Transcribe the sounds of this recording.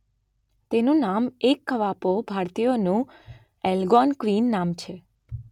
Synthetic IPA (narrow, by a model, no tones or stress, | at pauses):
t̪enũnamekːəʋapobʱaɾt̪ijonũ | ɛlɡɔnkʋinːamt͡ʃʰe